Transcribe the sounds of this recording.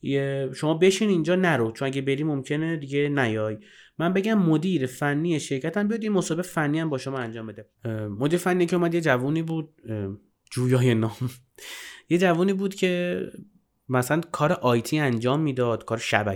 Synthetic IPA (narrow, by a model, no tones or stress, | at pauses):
eʃomɒːbe̞ʃinind͡ʒɒːnæɾot͡ʃʰonæɡebeɾiːmo̞mcʰe̞ned̪iɡe̞næjɒːj | mænbe̞ɟæmːod̪iːɾefænːiːjeʃeɾcʰæt̪ʰæmbijɒd̪jenmosɒːbeefænːiːæmbɒːʃomɒːænd͡ʒɒːmbe̞d̪e | mod̪iːɾefænːijecʰeuːmæd̪jed͡ʒævuːniːbuːd̪̥̚ | d͡ʒuːjɒːjenɒːm | je̞d͡ʒævuːniːbuːd̪̥cʰe̞ | mæsælænkʰɒːɾeʔɒjt̪ʰiːænd͡ʒɒːmːiːd̪ɒːd̪̥kʰɒːɾeʃæ̰bæ̰